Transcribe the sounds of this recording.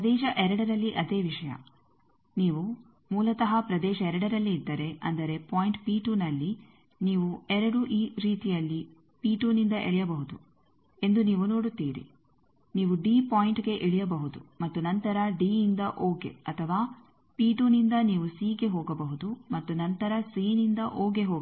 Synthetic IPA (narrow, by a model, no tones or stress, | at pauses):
pɾɐd̪ɛːʃɐʔɛɾɐɽɐɾɐlːiʔɐd̪e̞ːʋiʂɐjɐ̰ | niːʋu | muːlɐt̪ɐɦɐpɾɐd̪ɛːʃɐɛɾɐɽɐɾɐlːiːd̪ːɐɾe̞ʔɐ̰nd̪ɐɾe̞paːjiɳʈpiːʈuːnɐlːi | niːʋuɛɾɐɽuʔiːɾiːt̪ijɐlːi | piːʈuːnind̪ɐʔeɭɛjɐbɐɦud̪u | e̞nd̪uniːʋuno̞ːɽut̪ːḭːɾḭ | niːʋuɖiːpaːjiɳʈɡe̞ʔeɭijɐbɐɦud̪ṵmɐt̪ːunɐnt̪ɐɾɐɖiːnd̪ɐʔoːɡe̞̰ɐt̪ʰɐʋaː | piːʈuːnind̪ɐniːʋusiːɡe̞ɦoːɡɐbɐɦud̪umɐt̪ːunɐnt̪ɐɾɐsiːnind̪ɐʔoːɡe̞ɦoː